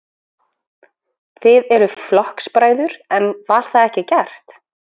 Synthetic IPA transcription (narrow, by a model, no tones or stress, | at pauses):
θɪðɛɾʏflɔhkspɾaːjðʏɾɛnvaɾ̥θaðɛhcɪcɛr̥t̪